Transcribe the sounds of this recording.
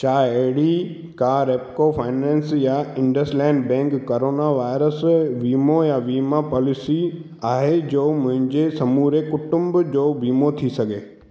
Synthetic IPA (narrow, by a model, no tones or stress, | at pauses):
t͡ɕaːeɦɪɽi | kãɾeːpkofʰaːɪnɛ̃ːnsjaɪ̃ɳɖəslɛ̃ːɳɖbɛ̃ːŋkːoːɾoːnaʋaːɪɾəsʋiːmojaʋiːmapɔːlɪsi | aːɦed͡ʑoːmʊ̃ɦɪ̃ɲd͡ʑesɐmuɾekʊʈʊ̃mbd͡ʑoːʋiːmot̪ʰisɐɡʱeː